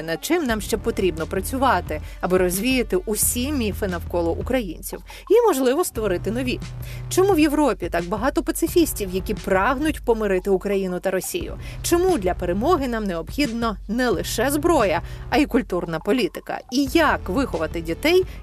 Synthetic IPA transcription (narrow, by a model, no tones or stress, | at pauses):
nɐd̪̚t͡ʃɪmnɑmʃt͡ʃɛpɔt̪ɾʲibnɔpɾɐt͡sʲʊʋɑt̪ɪɐbɪɾɔzʲʋʲijɐt̪ɪʔusʲimʲifɪnɐwkɔlˠɔʔukɾɐjinʲt͡sʲḭw | jimɔʒlˠɪʋɔst̪ʋɔɾɪt̪ɪnɔʋʲit͡ʃɔmuʋjewɾɔpʲit̪ɑɡbɐɦɑt̪ɔpɐt̪sɪfʲisʲtʲiwjɐkʲipɾɑɦnʊtʲpɔmɪɾɪt̪ɪʊkɾɐjinʊt̪ɐɾɔsʲḭjʊ̰t͡ʃɔmud̪lʲɐpeɾemɔɦɪnɑmneɔbxʲid̪nɔnɛlˠɪʃɛzbɾɔjɐɐikʊlʲt̪urnɐpɔlʲit̪ɪ̥kɐ̰ijɐkʋɪxɔʋɐt̪ɪdʲit̪ɛj